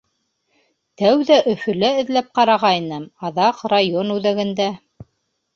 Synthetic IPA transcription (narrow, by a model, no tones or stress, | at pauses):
t̪æwðæʔɵ̆fɵ̆læɘ̆ðlæp̚qɑɾɑʁɑinɤmɑðɑqrajonʉðæɡɘ̆nd̪æ